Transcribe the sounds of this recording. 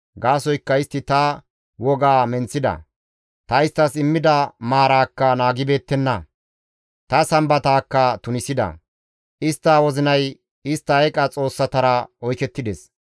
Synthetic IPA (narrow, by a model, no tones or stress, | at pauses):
ɡaːsɔjkːɐɪst̪ːɪt̪ɐ | wɔɡaːmɛnt͡sːɪd̪ɐ̰ | t̪ɐɪst̪ːɐsɪmːɪd̪ɐmaːɾaːkːɐnaːɡɪbe̞ːt̪ːɛnːɐ | t̪ɐsɐmbɐt̪aːkːɐt̪ʊnɪsɪd̪ɐ̰ | ʔɪst̪ːawɔzɪnɐj | ɪst̪ːɐɛkʼɐt͡sʼo̞ːsːɐt̪ɐɾɐɔjkɛt̪ːɪd̪ɛs